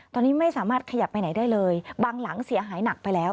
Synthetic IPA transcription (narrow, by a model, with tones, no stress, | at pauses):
t̪ɔː˧nːiː˦˥ma˥˩jsaː˩˦maː˥˩t̪̚kʰa˧ja˨˩pːa˧jna˩˦jdaː˥˩jlɤː˧jbaː˧ŋla˩˦ŋsi˨˩˦ɐɦaː˩˦jna˨˩k̚pa˧jlɛː˦˥w